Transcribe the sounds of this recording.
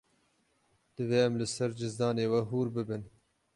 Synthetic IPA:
d̪̥ɨveːɛmlɨsɛɾd͡ʒɪzd̪ɑːneːwɛɦuːɾbɨbɨn

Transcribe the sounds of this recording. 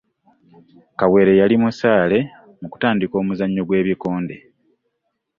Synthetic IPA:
kawe̞ːɾe̞jalimusaːle̞ | muku̥taːndiko̞ːmuzaɲːo̞ɡwe̞ːβiko̞ːnde̞̰

